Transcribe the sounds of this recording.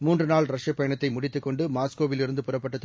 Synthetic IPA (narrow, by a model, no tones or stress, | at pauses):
muːndrɯnaːlɾɐʂɐpːɐjɐɳɐt̪ːɐɪmʊɽɪt̪ːɯkːɔɳɖɯmaːskoːʋɪlɪɾɯnd̪ɯpʊrɐpːɐʈːɐt̪ː